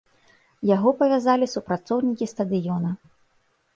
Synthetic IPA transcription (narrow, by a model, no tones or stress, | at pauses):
jaɣɔpɐvʲazalʲisupɾat̪sɔwnʲikʲist̪ɐd̪ɨjɔnɐ